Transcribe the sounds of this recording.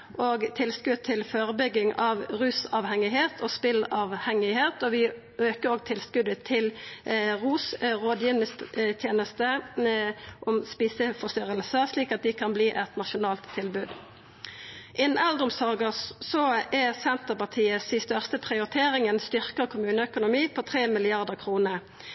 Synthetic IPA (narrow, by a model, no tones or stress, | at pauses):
ʔoːɡt̪ʰɪlskʉd̪̚t̪ʰɪlføːʁəbʏɡːɪŋɑʋʁʉːsɑʋhɛŋɪheːt̪ʰospɪlɑːʋhɛŋɪheːt̪ɔʋɪ | øːkəʁoːɡ̚t̪ʰɪlskʉd̪ət̪ʰɪlʁuːsʁoːd̪jɪːnəst̪t̪ʰjeːnəst̪ə | ʔɔmspiːsəfɔst̪ʏʁəlsəsliːkɑt̪̚d̪ɪkʰɑnbliːʔɛt̪nɑʃʊnɑːlt̪ʰːɪlbʉːd̪ | ʔɪnn̩ʔɛld̪əʁʊmsɑːɡəsɔɛsɛnt̪əʁpɑʁt̪ʰiːəsɪst̪œʁst̪əpʰʁɪʊʁɪt̪ʰeːʁɪŋənst̪ʏʁkəʁkʰʊmʉːnəœkʊnʊmiːpʰot̪ʰʁeːmɪlɪɑʁd̪əʁkʰʁuːnəʁ